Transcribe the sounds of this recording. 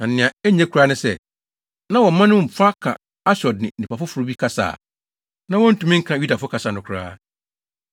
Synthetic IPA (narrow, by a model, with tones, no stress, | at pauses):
nã˨n̩˨nɪ̃˨ã˨ɛ˦ɲɛ̃˦kʰu˨ɾaː˦nʊ̃˦sɛ̰˦ | nã˦wɔ˨˦mã˦nʊ̃˦m̩˨fa˦kʰã̰˨ | a˦ɕɔ˨d̚nɪ̃˨ĩ˨pʰa˨fʊ˦fʊ˨ɾʊ˦bi˦kʰa˦sa̰ː˨ | nã˦wɔ̃˦n̩˦tũ˨mɪ̃˦ŋ̩˦kʰã˨ju˦da˨fʊ˦kʰa˨sa˨nʊ̃˨kʷʰɾa̰ː˦